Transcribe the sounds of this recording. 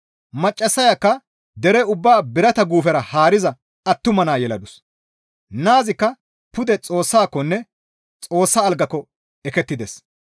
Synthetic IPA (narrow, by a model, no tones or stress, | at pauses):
mɐt͡ʃʼːɐsːɐjakːɐ | d̪ɛɾɛʊbːaːbɪɾɐt̪ɐɡuːfɛɾɐhaːɾɪzɐ | ɐt̪ːʊmɐnaːjɛlɐd̪ʊs | naːzɪkːɐ | pʊd̪ɛt͡sʼo̞ːsːaːkːɔnːɛ | t͡sʼo̞ːsːaːlɡɐkːɔ | ɛkɛt̪ːɪd̪ɛs